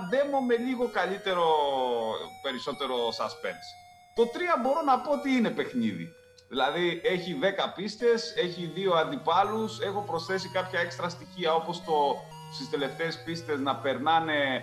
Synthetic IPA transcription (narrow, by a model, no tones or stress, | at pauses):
ðe̞mome̞ʎiɣo̞kɐʎit̪e̞ɾo̞ | pe̞ɾiso̞t̪e̞ɾo̞sɐspḛns | t̪o̞t̪ɾiɐbo̞ɾo̞nɐpo̞ot̪iine̞pexniðḭ | ðilɐðie̞çiðe̞kɐpist̪e̞se̞çiðio̞ɐnd̪ipɐluse̞xo̞pɾo̞sθe̞sikɐpçɐe̞kst̪ɾɐst̪içiɐo̞po̞st̪o̞ | st̪ist̪e̞le̞ft̪e̞ːspist̪e̞znɐpe̞ɾnɐne̞